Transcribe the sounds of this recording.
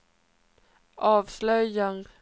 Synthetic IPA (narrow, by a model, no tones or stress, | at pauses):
ʔɑːvslœjan